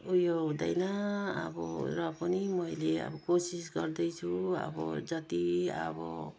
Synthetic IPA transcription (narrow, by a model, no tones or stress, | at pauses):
ujoɦud̪ajnaa̰bɔɾʌpʌnimʌjlea̰bʌkosisɡʌɾd̪ʌjt͡sʰuʌ̰bɔ̰d͡zʌt̪iʌ̰bɔ̰